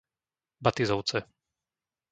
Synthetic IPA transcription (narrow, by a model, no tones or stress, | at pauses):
bat̪izɔʊt͡sɛ